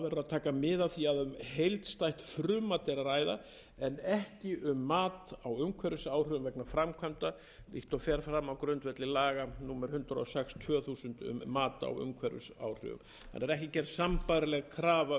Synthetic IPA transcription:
vɛɾʏaðt̪ʰaːkamɪðaθiaðʏmhejlt̪st̪ajht̪fɾʏːmat̪ɛɾaɾaːjða | ɛnɛhcɪʔʏmːaːt̪awʏmkʰvɛɾʏsaːwr̥ʏvʏmvɛknafɾamkʰamt̪a | lḭht̪ɔfɛɾfɾamawkɾʏnt̪vɛt̪lɪlaːɣanuːmɛɾ̥hʏnt̪ɾaɔsɛkst̪ʰvœːθuːsʏnt̪ʏ̰mːaːt̪a̰wʏ̰mkʰvɛɾʏ̰sa̰ːwr̥ʏ̰vʏ̰m | θa̰nɛɾɛhcɪcɛɾsampajɾalɛɣkʰɾaːva

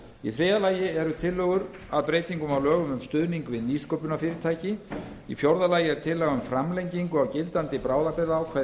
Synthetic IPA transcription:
ḭθɾɪːðalaːjɪɛɾʏt̪ʰɪlːœːɣʏɾ | aðpɾeːjt̪iŋkʏmawlœːɣʏmʏmst̪ʏðniŋkvɪðniskowpʏnafɪːɾɪt̪ʰaːjcɪ | ḭfjowɾðalaːjɪɛɾ̥t̪ʰɪlːɛɣaʏmfɾamlejɲciŋkʏawcɪlt̪ant̪ɪpɾaːwðapɛɾðaːwkʰvɛ

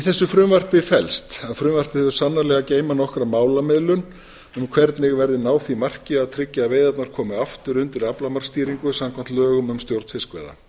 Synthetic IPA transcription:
iθɛsːʏfɾʏːmvar̥pɪfɛlst̪aðfɾʏːmvar̥pɪθɛðʏɾ̥sanːalɛɣaceːjmanɔhkɾamaːwlamɪðlʏn | ʏmkʰvɛɾt̪nɪɣvɛɾðɪnaːwθimar̥cɪaðt̪ʰɾɪcːaveːjðat̪naɾ̥kʰɔːmɪaft̪ʏɾʏnt̪ɪɾaplamaɾ̥st̪iːɾiŋkʏsamkʰam̥t̪lœːɣʏmʏmst̪jowɾt̪fɪskvɛ̰ːða̰

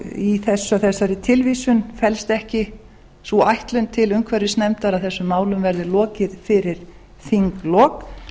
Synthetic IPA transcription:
iθɛsːʏaθɛsaɾɪt̪ʰɪlviːsʏnfɛlst̪ɛhcɪ | suajht̪lʏnt̪ʰɪlʏmkʰvɛɾɪsnɛmt̪aɾaðθɛsːʏmːaːwlʏmvɛɾðɪlɔːcɪðfɪɾɪɾ̥ | θiŋklɔːk

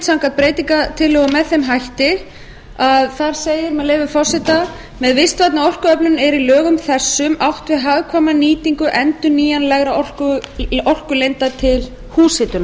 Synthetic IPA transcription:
t̪sawŋkat̪̚pɾeːjt̪iŋkat̪ʰɪlːœːɣʏmɛðθejmɦajht̪ɪ | aðθaɾ̥seːjɪɾmɛðleːjvʏfɔr̥sɛt̪a | mɛðvɪst̪vat̪naɔr̥kʏœplʏnɛɾilœːɣʏmθɛsːʏmawht̪vɪðɦaːɣkʰvamaniːt̪iŋkʏʔɛnt̪ʏniːjanlɛɣɾaɔr̥kʏɔr̥kʏlejnt̪at̪ʰɪl | huːshɪt̪ʏna

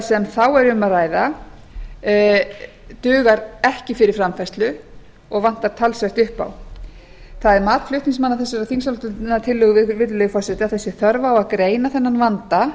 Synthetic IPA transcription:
sɛmθawɛɾʏmaraːjða | t̪ʏːɣaɾɛhcɪfɪɾɪɾ̥fɾamfɛst̪lʏ | ɔɣvan̥t̪aɾ̥t̪ʰalsvɛht̪ʏhpa̰w | θaðɛɾmaːt̪flʏht̪niŋsmanːaθɛsːaɾaθinsalt̪ʏlnːat̪ʰɪlːʏɣʏvɪvɪt̪llœɣfɔrsɛt̪ɪaðθɛsːɪθœɾvaːwaðkɾeːjnaθɛnːanvant̪a

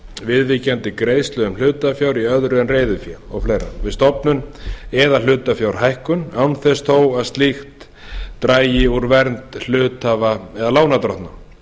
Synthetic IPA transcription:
vɪðvicant̪ɪkɾejst̪lœɣʏml̥ʏːt̪afjawɾiœðɾʏɛnreːjðʏfjaɔɣfleːjɾa̰vɪðst̪ɔpnʏnɛðal̥ʏːt̪afjawɾ̥ɦajhkʏnawnθɛst̪ʰoːwaðst̪lixt̪ː | ɾaːjjɪuɾvɛɾnt̪l̥ʏːt̪avaɛðalaːwnat̪ɾɔ̰ht̪na

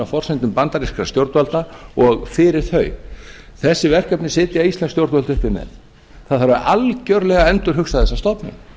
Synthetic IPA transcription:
afɔr̥sɛjnt̪ʏmpant̪aɾiskɾast̪jowɾt̪valt̪aɔɣfɪɾɪɾ̥θœɥ | θɛsːɪvɛr̥kœpnɪsɪːt̪ɪaist̪lɛnst̪jowɾt̪valt̪ʏhpɪɾmɛ̰ð | θaðθaɾvaɾʔalcœɾlɛɣaɛnt̪ʏɾ̥ɦʏxsaðθɛsast̪ɔpnɪ̰

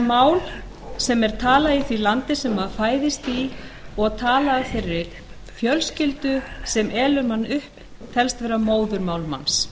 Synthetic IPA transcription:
maːwl | sɛmɛɾ̥t̪ʰaːlaiθvilant̪ɪsɛmafaːjðɪst̪iɔɣt̪ʰaːlaafɪɾɪɾ | fjœlscɪlt̪ʏsɛmʔɛːlʏɾmanːʏhp | t̪ʰɛlst̪vɛːɾamoːwðʏɾmaːwlma̰ns

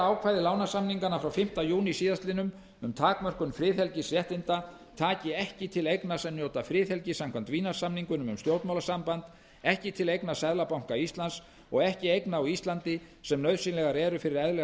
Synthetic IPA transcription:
aːwkʰvaːjðɪlaːwnasamniŋkanafɾawfɪm̥t̪ajuːnisiːðast̪lɪnʏm | ʏmt̪ʰaːkmœr̥kʏnfɾɪːðhɛlcɪsrjɛht̪ɪnt̪a | t̪ʰaːcɪɛhcɪt̪ʰɪlejknasɛmnjowt̪afɾɪːθhɛlcɪsamkʰvam̥t̪viːnḁsamniŋkʏnʏmʏmst̪jowt̪mawlasampant̪ | ɛhcɪt̪ʰɪlejknasɛðlapawŋ̥kaist̪lans | ɔɣɛhcɪejknawist̪lant̪ɪsɛmnœɥðsinlɛɣaɾɛːɾʏfɪɾɪɾɛðlɛ

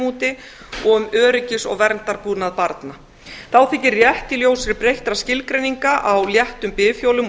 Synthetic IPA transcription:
uːt̪ɪ | ɔʏmœːɾʏcɪsɔ̰ɣvɛɾnt̪aɾpuːnaðpaɾt̪na | θawθɪcːɪrjɛht̪ɪljoːwsɾɪɾpɾejht̪ɾascɪlkɾejniŋkaʔawljɛht̪ʏmpɪːfjowlʏm

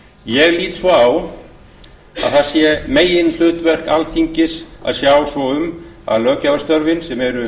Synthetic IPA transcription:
jɛɣliːt̪svɔaw | a̰ðθasjɛmeːjɪnl̥ʏːt̪vɛr̥kalθʰiɲcɪsa̰ðsjaːwsvɔʏma̰ðlœːcavast̪œɾvɪnsɛmɛɾʏ

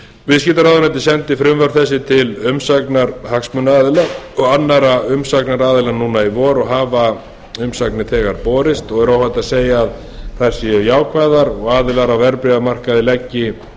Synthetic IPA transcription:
vɪðs̬cɪːt̪aɾaðʏnɛnt̪ɪ̥sɛnt̪ɪfɾʏmvœɾ̥θɛsːɪt̪ʰɪlʏmsaknaɾhaksmʏnaaːðɪlaɔɣanːaɾaʏmsaknaɾaːðɪlanuːnaivɔːɾɔɣɦaːva | ʏmsaknɪθɛːɣaɾpɔːɾɪst̪ɔɣɛɾaːwhajt̪aðseːjaːð | θajɾ̥sijaːwkʰvaːðaɾɔɣaːðɪlaɾawvɛɾpɾɪamar̥kaðɪlɛcːɪ

